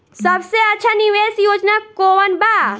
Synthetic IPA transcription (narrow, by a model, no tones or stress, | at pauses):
sɐbseɐtːʃʰaniʋeːsjoːd͡ʒnakoːʋənba